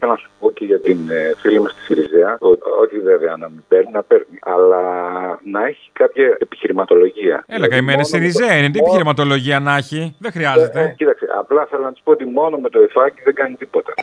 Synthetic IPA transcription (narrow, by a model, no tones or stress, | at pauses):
elɐnɐsu̥po̞ceʝɐt̪infilimest̪i̥siɾizeɐoo̞çiveveɐnɐmibeɾninɐpeɾniɐlɐnɐe̞çi̥kɐpçɐepi̥çiɾimɐt̪o̞lo̞ʝiɐ̰elɐɣɐimenesiɾizeɐinet̪iepiçiɾimɐt̪o̞lo̞ʝiɐnɐçiðexɾiɐzet̪ecit̪ɐksḛʔɐ̰plɐθelonɐt̪ispoot̪imo̞no̞met̪o̞ifɐciðeɡɐnit̪ipo̞t̪ɐ